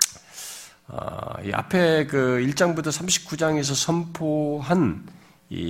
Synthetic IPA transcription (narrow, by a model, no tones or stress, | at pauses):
ʌ̰ḭʔa̰pʰe̞kɯiɭt͡ɕ͈aŋbutʰʌsʰamɕʰi̥p̚k͈ud͡ʑaŋe̞s̬ʰʌsʰʌmpʰoɦan | ḭ